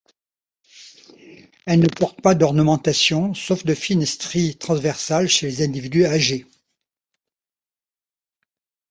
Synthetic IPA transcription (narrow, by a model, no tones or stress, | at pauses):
ɛlnəpɔʁt̪pad̪ɔʁnəmɑ̃t̪asjɔ̃sɔfd̪əfinɛst̪χit̪χɑ̃svɛʁsalʃelezɛ̃d̪ivid̪yaʒe